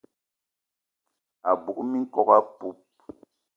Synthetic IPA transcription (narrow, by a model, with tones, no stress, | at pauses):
a˨bu˨ʔmi˦ŋ˦kɔ˦ka˦pu˦p̚